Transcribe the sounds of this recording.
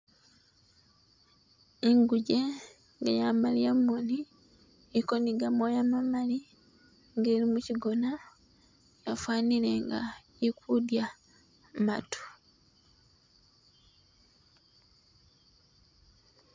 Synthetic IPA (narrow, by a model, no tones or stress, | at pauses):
eŋɡuɟe | ŋɡajamalijamːoni | ekoniɡamojamamali | ŋɡe̞ːɾimuciɡo̞na | jafwaːnile̞ŋɡa̰ | ikudja | matʰu̥